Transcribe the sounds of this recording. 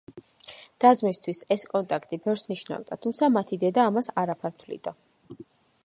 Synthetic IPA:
d̪̥ad̪zmist̪ʰwisɛskʼɔnt̪ʼakʰt̪ʼibɛvɾsniʃna̰vd̪at̪ʰumt̪sʰamat̪ʰid̪ɛd̪aːmasaɾapʰaɾt̪ʰvlḭd̪a

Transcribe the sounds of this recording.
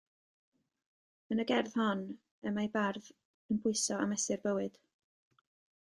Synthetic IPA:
ənəɡɛrð̥hɔn | əmajbarð | ənbʊɨsɔa̰mɛsɨrbəwɨd̥

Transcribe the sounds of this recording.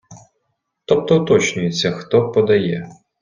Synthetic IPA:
t̪ɔp̚t̪ɔʊt̪ɔt͡ʃnʲʊjet͡sʲːɐxt̪ɔpɔd̪ɐjɛ̰

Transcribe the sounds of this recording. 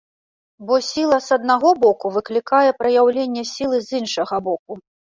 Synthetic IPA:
bɔsʲilˠɐzɐd̪̚naɣɔbɔkuvɨklʲikajɛpɾɐjawlʲenʲːɛsʲilˠɨzʲinʂɐɣɐbɔk̚u

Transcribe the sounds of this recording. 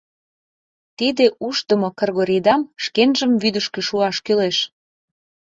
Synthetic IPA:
t̪id̪eʔuʃt̪əmokorɣoɾid̪ɑmʃkenʒəmβyd̪əʃkø̆ʃuɑʃkyleʃ

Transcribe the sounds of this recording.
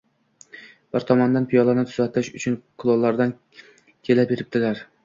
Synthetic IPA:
b̥ɪɾt̪ʰɒmɒnd̪anpʰɪjɒlˠanɪt̪ʰʊ̥zat̪ʰɪʃʊt͡ʃʰʊnkʰʊlˠolˠːaɾd̪an | kʲʰe̞labeɾɪp̚t̪ʰɪlaɾ

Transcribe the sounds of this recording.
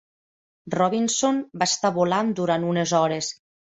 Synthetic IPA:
rɔβinsonbaest̪aβoland̪uɾanunezɔɾes

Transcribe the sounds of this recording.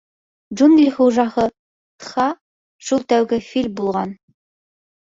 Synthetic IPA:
d͡ʒunɡlʲχuʒɑhɤ | t̪χɑ | ʃulˠt̪æwɡɘfilʲmbulˠʁɑn

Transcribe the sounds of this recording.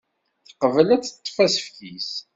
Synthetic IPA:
θə̥qəvəlæt͡sːə̥t̪ˤːfæsə̥fçis

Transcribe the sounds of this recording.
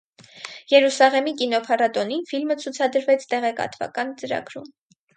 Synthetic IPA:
jɛɾusɑʁɛmikinɔpʰɑrɑt̪ɔninfilmət͡sʰut͡sʰɑd̪əɾvɛt͡sʰt̪ɛʁɛkɑ̰t̪vɑ̰kɑnt͡səɾɑ̰ɡɾum

